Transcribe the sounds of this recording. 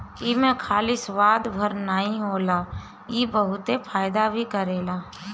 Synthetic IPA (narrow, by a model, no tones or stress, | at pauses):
iːmẽkʰaːlisʋaːd̪bʱəɾnəɦĩɦoːla | ibəɦʊt̪efʰaːjd̪abʱikəɾeːlaː